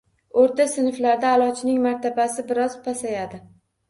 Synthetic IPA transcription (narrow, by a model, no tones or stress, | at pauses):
oɾt̪asɪnflaɾd̪aːlˠɒt͡ʃʰɪnɪŋmaɾt̪ʰabasɪbɪɾɒzpʰasajad̪ɪ